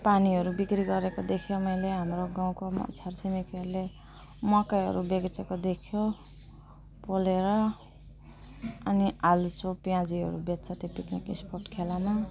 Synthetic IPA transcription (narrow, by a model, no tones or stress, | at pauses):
paniɦʌɾubikɾiɡʌɾekod̪ekʰjomʌjleɦamɾoɡaw̃komʌ̰sʰjarsimikiɦʌɾule | mʌkajɦʌ̰ɾubeɡt͡sekod̪ekʰjo | poleɾʌ | ʌnialut͡sopjãd͡ziɦʌ̰ɾubet̪t͡sʰʌt̪ipiknikḭsporʈkʰelama